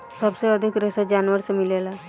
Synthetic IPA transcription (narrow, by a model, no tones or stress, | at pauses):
səbseəd̪ʱikɾesed͡ʒaːnʋəɾsemɪlela